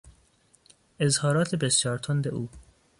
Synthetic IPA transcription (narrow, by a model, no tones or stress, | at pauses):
ʔezhɒːɾɒːt̪ʰebesjɒːɾt̪ʰond̪eʔuː